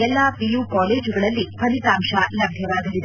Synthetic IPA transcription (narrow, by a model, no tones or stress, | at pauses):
ɛlːɐpijuːkaːleːd͡ʒuɡɐɭɐlːipʰɐnit̪aːmʂɐlɐbʱjɐʋaːɡ̪ɐlid̪e